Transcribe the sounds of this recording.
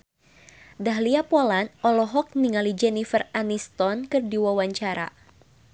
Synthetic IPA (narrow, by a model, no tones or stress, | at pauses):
daɦliapɔlanɔlɔɦɔk̚niŋalid͡ʒɛnifəranist̪ɔnkɨrdiwawaɲt͡ʃaɾa̰